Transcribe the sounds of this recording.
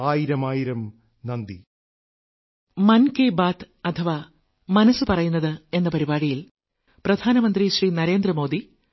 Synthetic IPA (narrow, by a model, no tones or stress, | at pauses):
aːjiɾɐmaːjiɾɐm | nɐnd̪i | mɐnkeːbaːt̪ | ɐt̪ʰɐʋaː | mɐnɐsːɨpɐrɐjunːɐðɨe̞nːɐpɐɾibaːɽijil | prɐd̪ʱaːnɐmɐnd̪riɕriːnɐɾe̞ːnd̪rɐmo̞ːd̪i